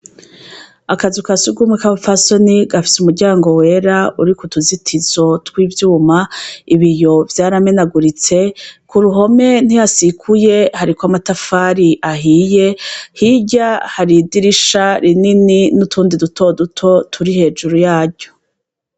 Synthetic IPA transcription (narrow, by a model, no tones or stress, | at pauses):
akazukasuɡumŋekaβafaso̞niɡafi̥sumuɾɟaːŋɡo̞we̞ːɾauɾikutuzitʰizo̞twiːvjuːmaiβijo̞vjaːɾame̞naɡuɾit͡se̞kuɾuɦo̞me̞n̥ihasikʰuje̞haɾikwamatafaːɾiʔaɦiːje̞hiɟahaɾidiɾiʃaɾinininutʰuːndiduto̞dutʰo̞tʰuɾihe̞ːʒuɾujaːɾɟo̞̥